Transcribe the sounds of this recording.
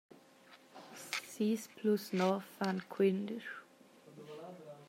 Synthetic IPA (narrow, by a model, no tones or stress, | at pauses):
siːspʰlusnɔfãnkʰwɪnd̪əɹ